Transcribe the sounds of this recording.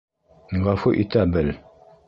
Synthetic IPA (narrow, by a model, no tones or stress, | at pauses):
ŋ̩ɡafoʔḭtabəl